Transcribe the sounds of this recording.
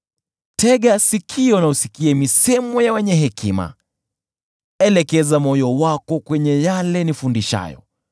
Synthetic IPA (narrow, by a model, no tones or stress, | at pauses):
tʰɛɠasikʰiɛnausikiamisɛmɔjawɛɲɛɦɛkima̰ | ɛlɛkɛzamɔjɔwakɔkwɛɲɛjalɛnifundiʃa̰jɔ̰